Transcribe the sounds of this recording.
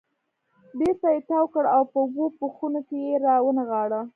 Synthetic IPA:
d̪et̪ajet̪ɑwkəɽawpəʊbopuxunokejeɾɑwənaɣɑɽa

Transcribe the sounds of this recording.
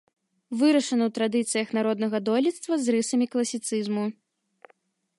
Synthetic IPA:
vɨɾɐʂɐnɐwt̪ɾad̪ɨt̪sɨjɐxnaɾɔd̪nɐɣɐd̪ɔlʲit̪st̪vɐzrɨsɐmʲiklˠɐsʲit̪sɨzmu

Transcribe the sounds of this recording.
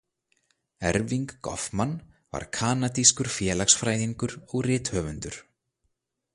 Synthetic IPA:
ɛɾviŋkːɔ̰fman | va̰ɾ̥kʰaːnat̪iskʏɾ̥fjɛːlaxsfɾaːjðiŋkʏɾɔɣrɪːt̪hœːvʏnt̪ʏɾ̥

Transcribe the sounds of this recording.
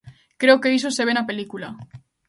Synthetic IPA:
kɾe̞oke̞isoseβenape̞likula

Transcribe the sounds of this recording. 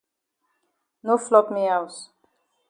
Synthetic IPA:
noflɔpmiaws

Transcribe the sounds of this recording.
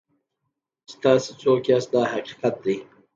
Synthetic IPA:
st̪ɑːsit͡soːkjaːsd̪ɑːhaqi̥qat̪̚d̪i

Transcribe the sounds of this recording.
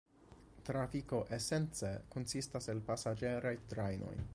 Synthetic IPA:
tɾafiko̞ʔese̞nt͡seko̞nsistaselpasad͡ʒe̞ɾajtɾajnʔo̰j

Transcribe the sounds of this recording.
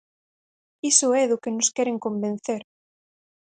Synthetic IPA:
isʊɛðʊkenʊskɛɾeŋkõmbẽn̟θeɾ

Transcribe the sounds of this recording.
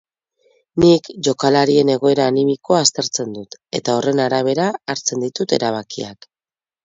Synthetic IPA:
nikʝo̞kalaɾie̞ne̞ɣ̞o̞e̞ɾaːnimiko̞aːst̪e̞ɾt͡se̞nd̪ut̪e̞t̪ao̞re̞naɾaβ̞e̞ɾaːɾt͡se̞nd̪it̪ut̪e̞ɾaβ̞akia̰k

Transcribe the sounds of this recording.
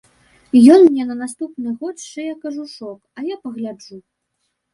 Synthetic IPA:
jɔnmnʲɛnɐnast̪upnɨɣɔt̪ʂɛjakɐʐuʂɔkɐjapɐɣlʲad͡ʐu

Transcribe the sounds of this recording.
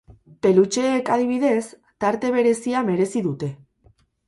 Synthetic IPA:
pe̞lut͡ʃe̞ːkaðiβ̞iðe̞s | t̪aɾt̪e̞β̞e̞ɾe̞siame̞ɾe̞siðut̪e̞

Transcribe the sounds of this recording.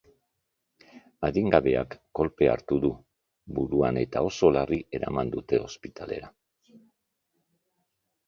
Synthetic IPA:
aðiŋɡaβe̞a̰kːo̞lpe̞a̰ɾt̪uðu | buɾuane̞t̪ao̞so̞lariʔe̞ɾa̰mand̪ut̪e̞o̞spit̪ale̞̰ɾa

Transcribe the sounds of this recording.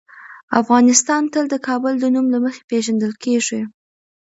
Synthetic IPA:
afɣɑnɪst̪ɑnt̪əld̪əkɑbəld̪ənumlaməxe̥peʒand̪əlkeʐe

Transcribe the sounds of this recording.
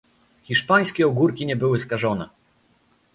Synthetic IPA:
xʲiʂpaj̃skʲɛɔɡuɾkʲiɲɛbɘwɘskaʐɔnɛ

